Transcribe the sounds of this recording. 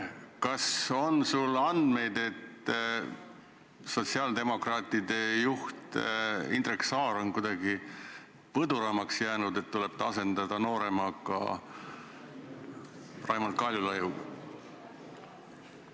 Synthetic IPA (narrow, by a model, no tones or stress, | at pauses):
kɑso̞nsulɑnd̪̥me̞jd̪e̞t̪ | so̞t̪ʲsiɑːld̪e̞mo̞krɑːt̪id̪e̞juht̪ḭnd̪reksɑːɾo̞nkud̪̥ɑɡi | pɤd̪uɾɑmɑksjæːnud̪̥e̞t̪t̪ːule̞b̥̚t̪ɑse̞nd̪̥ɑd̪̥ɑno̞ːɾe̞mɑkˑɑ̰ | rɑjmɑlt̪̚kɑlʲjulɤju